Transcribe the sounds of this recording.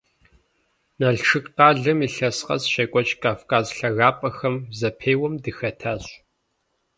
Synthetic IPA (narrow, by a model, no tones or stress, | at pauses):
nɐɮʈ͡ʂʰɨkʼqɑːɮɨmiːɬɐsqɐ̰zʃɐkʷʼɔt͡ʃʼkʰʼaːfkʰʼaːzɬɐɣaːpʼɐxɐmzɐpʰeːwɐmdɨxɐtʰaːɕʼ